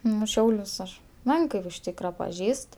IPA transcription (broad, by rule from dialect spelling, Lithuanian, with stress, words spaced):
ˈnʊ ˈʃʲɛʊlʲʊs ɐʃ ˈmʲɛŋkɜ ɪr ʊʃ ˈtʲiːkrɐ pɐˈʒʲiːst